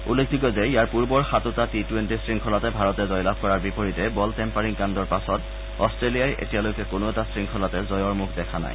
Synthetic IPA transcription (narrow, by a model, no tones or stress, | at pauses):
ulːekʰdikɔzɛijaɹpuɹbɔɹxatotatitwentisɹiŋkʰɔlatɛbʱaɹɔtɛzɔjlab̚ʱkɔɹaɹbipoɹitɛbɔltɛmpaɹiŋkandɔɹpasɔt | ɔstɹelijajʔḛtialojkɛkonoɛtasɹiŋkʰɔlatɛzɔjɔɹmukʰdɛkʰana̰j